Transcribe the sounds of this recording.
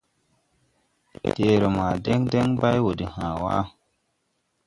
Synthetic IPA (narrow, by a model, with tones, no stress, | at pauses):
teː˨ɾo˨maː˨de˦ŋde˦ŋba˦jwo˨di˨hãː˨wa̰˦